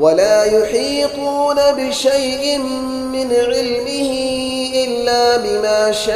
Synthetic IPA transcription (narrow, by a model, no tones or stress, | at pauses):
walaːjʊħiːt̪uːnabɪʃajʔɪn | mɪnʕɪlmɪhɪ | ʔɪlːaːbɪmaːʃa